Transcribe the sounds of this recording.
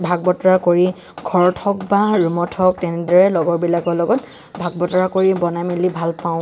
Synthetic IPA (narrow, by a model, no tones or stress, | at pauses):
bʱaɡ̚bɔtɔɹakoɹi | ɡʱɔɹɔtʰɔkbaɹumɔtʰɔk̚tɛnɛdɔɹɛlɔɡɔɹbilakɔlɔɡɔt | bʱaɡ̚bɔtɔɹakoɹibɔnamilibʱalpãʊ̃